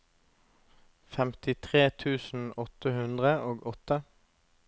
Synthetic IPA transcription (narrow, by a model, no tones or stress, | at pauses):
fɛmt̪ɪt̪ʰʁeːt̪ʰʉːsn̩ɔt̪əhʉnd̪ʁəoːɡɔt̪ə